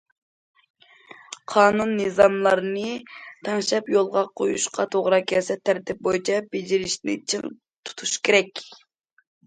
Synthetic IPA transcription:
qʰɑːnunːɨzɑmlˠɑɾɨnɨt̪ʰɑŋʃɛpjolˠʁɑqʰojṵʃqʰɑ̰t̪ʰoʁɾɑkʲʰɛsɛt̪ʰːæɾt̪ʰɪp̚bojt͡ʃʰɛbed͡ʒiɾɪʃnɪ̰t͡ʃʰɨ̰ŋ | t̪ʰu̥t̪ʰuʃkʲʰeɾɛkʲ

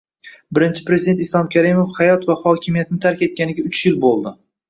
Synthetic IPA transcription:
bɪɾɪnt͡ʃʰɪ̥pɾe̞zɪid̪ent̪ɪslˠɒmkʲaɾimofhajɒt̪vahɒkʲʰɪmijat̪nɪt̪ʰaɾkʲe̞t̪̚kʲanɪɡʲaʊt͡ʃʰjɪlbolˠd̪ɪ

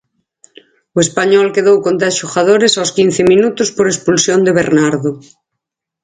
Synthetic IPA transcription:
oespaɲɔlkeðowkont̪̬ɾasʃoxaðoɾesawskin̟θemĩnut̪ospoɾespulsjond̪eβeɾnaɾðo

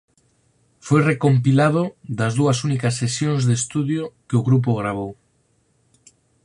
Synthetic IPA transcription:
fojrekomp̬ilaðʊðɐzðuɐsunikɐsːesjoŋzðest̪uðjokeʊɣɾup̬oɣɾaβ̞ow

